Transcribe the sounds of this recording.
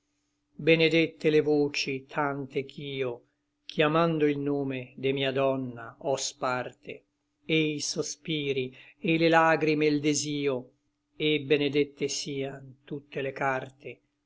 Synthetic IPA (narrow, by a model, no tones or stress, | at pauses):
bened̪et̪ːelevoːt͡ʃit̪ʰant̪ekʰiːo | kʰjamand̪oilnoːmed̪emiːad̪ɔnːa̰ɔspart̪ʰḛ | eiisospiːɾielelaːɡɾimeld̪eziːo | ebened̪et̪ːesiːant̪ut̪ːelekart̪e